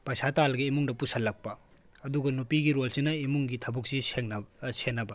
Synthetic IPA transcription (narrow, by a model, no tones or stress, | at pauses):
pɐsatalɡiimuŋdɐpusɐlːɐk̚pɐː | duɡɐnupiɡiɾolsinɐimuŋɡitʰɐbuk̚siseŋsenːɐbɐ